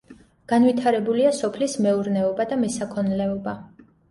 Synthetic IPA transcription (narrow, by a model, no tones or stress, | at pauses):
ɡ̥anvit̪ʰaɾɛbuliasɔpʰlismɛuɾnɛɔbad̪amɛsakʰɔnlɛɔba